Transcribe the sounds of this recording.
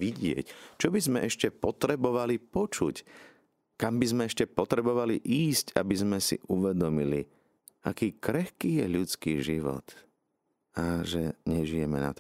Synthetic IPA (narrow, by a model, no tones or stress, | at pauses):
ʋiɟɪɛ̰ct͡ʃɔbizmɛʔɛʃcɛpɔt̪ɾɛbɔʋalipɔt͡ʃuc | kambizmɛɛʃcɛpɔt̪ɾɛbɔʋaliʔiːsca̰bizmɛsḭʔuʋɛd̪ɔmili | akiːkɾɛxkiːjɛʎut͡skiːʒiʋɔ̰t̪ | aʒɛɲɛʒijɛmɛ̰na̰t̪